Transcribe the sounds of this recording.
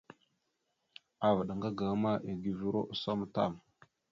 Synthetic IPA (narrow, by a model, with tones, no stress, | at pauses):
a˨və˨ɗa˨ŋɡa˦ɡa˨˦ma˦ʔi˨ɡi˨vi˦ɾo̰˦ʔso˦m˨ta̰˦˨m